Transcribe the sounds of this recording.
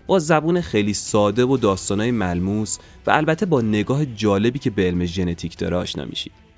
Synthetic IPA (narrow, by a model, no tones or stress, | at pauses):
b̥ɒːzæbuːnexejliːsɒːd̪e̞vod̪ɒːst̪ɒːnɒːjemælmuːs | væ̰ælbæt̪ʰːebɒːne̞ɡɒːɦed͡ʒɒːle̞biːcʰe̞beelmeʒe̞ne̞t̪ʰiːcʰd̪̥ɒ̰ːɾeɒ̰ːʃnɒ̰ːmḭʃḭːd̪̥